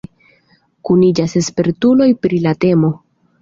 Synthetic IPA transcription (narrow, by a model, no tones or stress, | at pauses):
kunid͡ʒase̞spe̞ɾtulo̞jpɾilate̞mo̞